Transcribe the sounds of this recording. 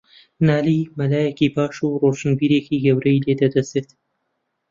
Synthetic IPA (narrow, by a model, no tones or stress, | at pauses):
naːlimɐlaːjɛkipaːʃuroʃɨnbiːɾeːkiɡɐwɾɐjleːd̪ɐd̪ɐseːt̪